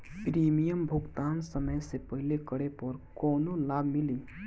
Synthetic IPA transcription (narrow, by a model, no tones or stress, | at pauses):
pɾimijəmbʱuɡt̪ansəməjsepəɦilekəɽepəɾkonolabʱmili